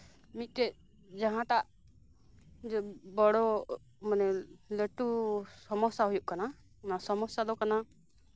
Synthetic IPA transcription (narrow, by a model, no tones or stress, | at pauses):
mit̪̚ˀt̪ɛ | d͡ʒaɦãt̪aʔ | bɔɽɔ | manɛləʈusɔmɔsjaɦujuʔkana | nasɔmɔsjalɔkana